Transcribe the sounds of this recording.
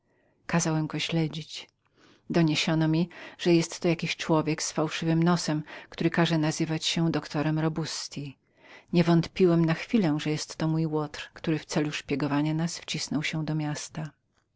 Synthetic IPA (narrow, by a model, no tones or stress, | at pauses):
kazawɛmɡɔɕlɛd͡ʑit͡ɕ | d̪ɔɲeɕɔnɔmʲiʐ̥ɛjɛst̪ːɔjakʲiɕt͡ʂwɔvʲjɛksfawʂɘvɘmnɔsɛmkt̪uɾɘkaʐɛnazɘvat͡ɕɕɛd̪ɔkt̪ɔɾɛmɾɔbust̪ʲi | ɲɛvɔnt̪pʲiwɛmnaxfʲilɛʐɛjɛst̪ːɔmujwɔt̪ɾkt̪uɾɘft̪sɛluʂpʲjɛɡɔvaɲanasft͡ɕisnɔwɕɛ̃d̪ɔmʲjast̪a